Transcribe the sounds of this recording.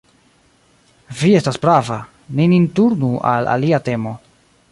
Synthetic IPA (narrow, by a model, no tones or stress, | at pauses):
vie̞stasbɾava | ninintuɾnua̰la̰liate̞mo̞